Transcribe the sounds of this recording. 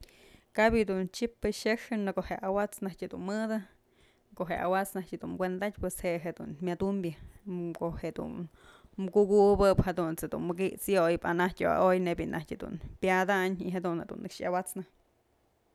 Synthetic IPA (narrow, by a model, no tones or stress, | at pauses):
kabjid̪unt͡ʃipːɨʃeʂɨnɨkoheawat͡snahtʲhd̪ṵnmɨd̪ɨ | koɦea̰wat͡snahtʲɨd̪unmɡʷwend̪at̚ʲpwesheʔɦed̪ṵnmʲad̪umbʲjɨkoʔheʔd̪ṵn | mɡuɡubɨphad̪unt͡sed̪ṵnmɨɡiʔt͡sjojpanahtʲo̰a̰ʔojnebʲinʔahtʲad̪ṵnpjad̪aɲiɦad̪unhed̪ṵnːɨkʂjawat͡snɨ